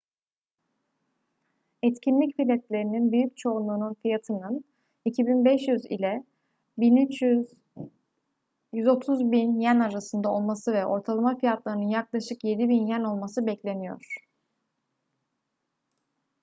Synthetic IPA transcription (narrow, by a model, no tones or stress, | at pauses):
ɛt̪cʰinlʲicfilʲɛt̪lʲe̞ɾininbyjyc̚t͡ʃʰo̞unlˠuːnunfijat̪ʰɯnɯn | icʰibinbɛʃjyzḭlʲɛ | biny | jyzo̞t̪ʰuzbinjænaɾasɯnd̪ao̞lˠmasɯvɛʔo̞̰ɾt̪ʰalˠamafijat̪lˠaɾɯnɯnjaklˠaʃɯkje̞d̪ibinjæno̞lˠmasɯbɛclʲe̞nijo̰ɾ̥